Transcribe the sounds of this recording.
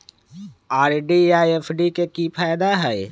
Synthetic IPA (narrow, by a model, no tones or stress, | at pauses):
aːɾɖiaːepʰɖikekipʰaːjd̪aɦɛj